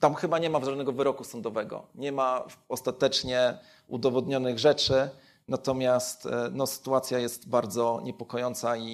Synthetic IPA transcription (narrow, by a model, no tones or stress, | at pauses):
t̪amxɘbaɲɛmavʐad̪nɛɡɔvɘɾɔkusɔnd̪ɔvɛɡɔ̰ɲɛmaɔst̪at̪ɛt͡ʂɲɛ | ud̪ɔvɔd̪ɲɔnɘɣʐɛt͡ʂɘ | nat̪ɔmʲjast̪nɔsɘ̥t̪uat̪sʲjajɛst̪baɾd̪zɔɲɛpɔkɔjɔnt̪sai